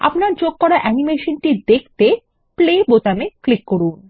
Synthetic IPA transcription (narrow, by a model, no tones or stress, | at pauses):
a̰pnaɾt͡ɕoɡ̚kɔɾaʔɛnimeʃonʈid̪ekʰt̪e | plebot̪ameklikːoɾun